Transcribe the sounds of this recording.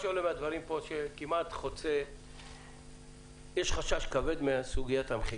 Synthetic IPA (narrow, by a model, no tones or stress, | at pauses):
ʃoolemead̪vaʁimpo̞ʃekimat̪χo̞t͡se | jeʃχaʃaʃkave̞d̪measuɡijat̪hamχi